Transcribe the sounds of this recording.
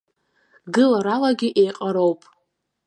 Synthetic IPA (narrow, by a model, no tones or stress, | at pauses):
ɡɨlaɾalaɡʲɪʔejqʼaɾowpʼ